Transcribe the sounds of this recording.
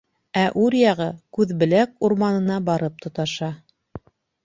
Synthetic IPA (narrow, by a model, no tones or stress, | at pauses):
æʔʉɾjɑʁɤkʉðbɘ̆lækuɾmɑnɤ̆nɑbɑɾɤp̚t̪ʰŏt̪ɑʃɑ